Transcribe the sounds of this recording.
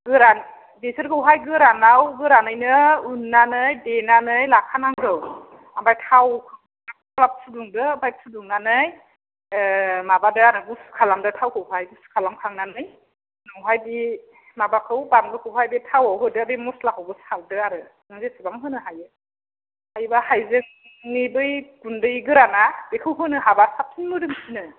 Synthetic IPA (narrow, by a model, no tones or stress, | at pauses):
ɡɯɾan | besɯɾkʰɯwɦajɡɯɾanawɡɯɾanɯjnɯunːanɯjdenanɯjlakʰanaŋɡɯw | ambajtʰawkʰɯ | akkʰalap̚sʰuduŋdɯbaj̚sʰuduŋnanɯj | mabadɯaɾɯɡusɯ̥kʰalamdɯtʰawkʰɯwɦajɡusɯ̥kʰalamkʰaŋnanɯj | nawɦajbi | mabakʰɯwbanɡɯkʰɯwɦajbitʰawawɦɯjdɯabimuslakʰawbɯsaldɯaɾɯ | nɯŋzesʰubaŋɦɯnɯɦajɯ | ajbahajzɯŋ | nibɯjkundɯjɡɯɾanabekʰɯwɦɯnɯɦabasap̚ʰinmɯdɯŋsinɯ